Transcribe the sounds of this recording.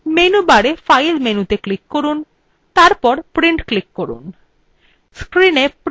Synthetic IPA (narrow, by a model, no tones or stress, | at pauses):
menubaɽefajlmenut̪eklikːoɾun | t̪aɾpɔɾpɾiɳʈklikːoɾṵn | skɾinep